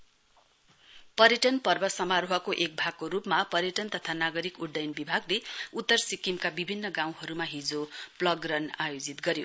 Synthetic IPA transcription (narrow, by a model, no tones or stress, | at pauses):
pʌɾjʌʈʌnpʌrbʌsʌmaɾoɦʌkoʔek̚bʱaɡ̚koɾupmapʌɾjʌʈʌnt̪ʌt̪ʰanaɡʌɾikuɽɖʌjnbibʱaɡleut̪ːʌrsikimkabibʱinːʌɡaw̃ɦʌɾumaɦid͡zoplʌɡrʌnajod͡zit̪ɡʌɾjo